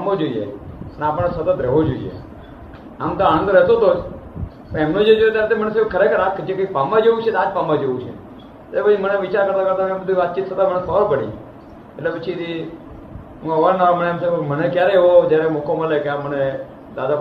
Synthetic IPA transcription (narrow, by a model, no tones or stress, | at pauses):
amod͡ʒoiḛneaːpəɽesət̪ət̪ɾɛɦʋod͡ʒoḭjḛ | amt̪oañə̃nd̪ɾɛɦt̪ot̪o | pəɛmnõd͡ʒed͡ʒojet̪jaɾt̪emənesekʰəɾekʰəɾakʰːd͡ʒekoik̚pambad͡ʒeʋũt͡ʃʰed̪aːd͡ʒpambad͡ʒeʋũt͡ʃʰḛ | etebəiməneʋɪt͡ʃaɾkəɾt̪akəɾt̪aebəd̪ʱiʋat̪̚t͡ʃit̪ːʰət̪amənesɔɾopəɽḭ | eʈlepət͡ʃʰid̪i | ɦũəʋad͡ʒnaməneɛmsemənekjaɾeeʋod͡ʒjaɾemukʰomalekeaməne | d̪ad̪a